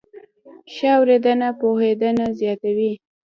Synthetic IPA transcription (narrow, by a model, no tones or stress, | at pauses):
ʃawɾed̪ənapohed̪ənazjɑt̪awi